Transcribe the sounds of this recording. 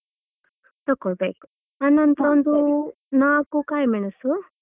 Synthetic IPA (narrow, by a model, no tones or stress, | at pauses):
t̪ɐkːoɭbeːku̥ | ɐnːɐnt̪ɐond̪u | naːkukaːjɐmiɳɐsu